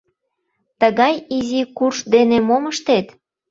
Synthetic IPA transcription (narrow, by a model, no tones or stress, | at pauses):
t̪əɣɑjizikurʃd̪enemoməʃt̪et̪